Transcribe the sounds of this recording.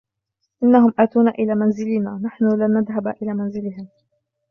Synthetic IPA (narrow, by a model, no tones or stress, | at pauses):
ʔɪnːahʊmʔaːt̪uːnaʔɪlaːmanzɪlɪnaːnaħnʊlanːaðɦabʔɪlaːmanzɪlɪɦɪm